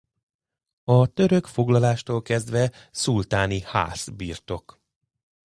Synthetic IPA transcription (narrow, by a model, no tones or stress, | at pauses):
ɒt̪ø̞ɾøkfo̞ɡlɒlaːʃt̪oːlkɛzd̪ʋɛ | sult̪aːniha̰ːsbiːrt̪o̞k